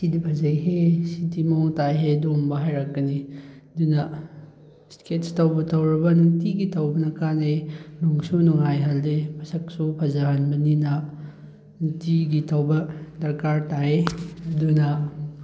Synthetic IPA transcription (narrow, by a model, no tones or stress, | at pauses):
sidipʰɐzɐjɦesitimɐɔŋtajɦedumbɐɦajɾɐkːɐniɐdunɐ | sketstɐwbɐtʰɐwɾɐbɐnuŋtiɡitʰɐwbɐnɐkaneluŋsunuŋajɦɐldemʰɐsɐk̚supʰɐzaɦɐnbɐninɐ | nuŋtiɡitʰɐwbɐdɐɾkaɾtaeɐdunɐ